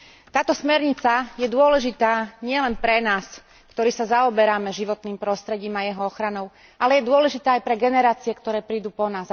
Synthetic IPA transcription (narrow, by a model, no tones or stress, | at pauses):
t̪aːt̪ɔsmɛɾɲit͡sajɛd̪ʊɔlɛʒit̪aːɲɪɛlɛnpɾɛnaːs | kt̪ɔɾiːsazaɔbɛɾamɛʒiʋɔt̪niːmpɾɔst̪ɾɛɟiːmajɛɦɔɔxɾanɔʊ | ʔalɛjɛd̪ʊɔlɛʒit̪aːjpɾɛɡɛnɛɾaːt͡siɛkt̪ɔɾɛːpɾiːd̪uːpɔnaːs